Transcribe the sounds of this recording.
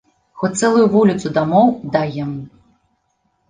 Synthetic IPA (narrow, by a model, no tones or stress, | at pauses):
xɔt̪sɛlˠʊjuvulʲit̪sud̪amɔwd̪ajɛmu